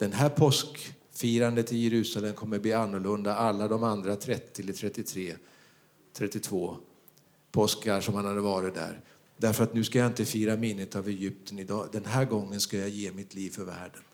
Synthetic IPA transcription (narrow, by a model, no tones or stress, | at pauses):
d̪̥ɛnɦæːɾpʰɔsk | fiːɾand̪ət̪ɪljɛɾʉ̟ːsalɛmkʰɔmːəɾb̪iːanːʊɭɵnd̪aalːad̪ɔmand̪ɾat̪ʰɾɛt̪ːɪɛlət̪ʰɾɛt̪ːɪt̪ʰɾeː | t̪ʰɾɛt̪ːɪt̪ʰvoː | pʰɔskaɾʂɔmhanhad̪əvɑːɾɪt̪̚d̪æ̰ɾ | d̪æɾfœɾat̪nʉ̟skajaɪnt̪əfiːɾamɪnːət̪avɛjʏp̚t̪ʰənɪd̪ɑːd̪ɛnɦæːɾɡɔŋːənskajɑjeːmɪt̪ʰliːvfœɾvæ̰ːɖən